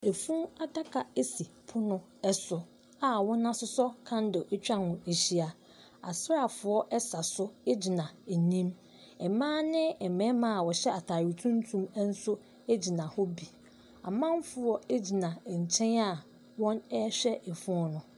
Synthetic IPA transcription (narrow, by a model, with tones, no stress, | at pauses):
e˨fũ˦a˨da˦kʰa˨e˦si˨pʰʊ˦nʊ̃˦ | ɛ˦sʊ˨ | a˨wɔ̃˦nːã˦sʊ˦sɔ˦kʰã˦n˦do˨ʔe˦t͡ɕᶣã˦hʊ̃˨e˨ɕi˦a˨ | a̰˨sɾa˨fʊ˨ɔ˦ʔɛ˦sa˨sʊ˦e˦d͡ʑi˨nã˨nĩ˦m | ɛ˨mãː˦nɪ̃˦ɛ˨mɛ̃˨˦mã˦a˨wɔ˨ɕɛ˦a˨tʰa˨ɥi˨tʰũ˦n˦tʰũ˦m˦n̩˦sʊ˦ | e˦d͡ʑi˨nã˨hɔ˦bi˨ | a̰˨mã˦m˦fʊ˨ɔ˦e˦d͡ʑi˨nã˨ɲ̩˨t͡ɕʰɛ̃˦na˦ | wɔ̃˦nɛ˦ɕᶣɛ˦ʔe˨fũ˦ɔ˦nʊ̃˨